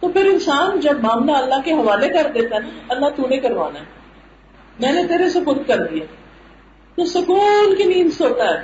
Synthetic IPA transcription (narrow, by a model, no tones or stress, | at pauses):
t̪oːpʰɪɾɪnsaːnd͡ʒɐbmaːmlaɐlːaɦkeɦɐʋaːlekɐɾd̪eːt̪aɦɛaɐlːat̪uːnẽkɐɾʋaːnaɦɛ | mɛ̃ːnet̪eːɾesʊkʊɾt̪̚kɐɾd̪iaː | t̪osʊkuːlkenĩːmsoːt̪aɦɛː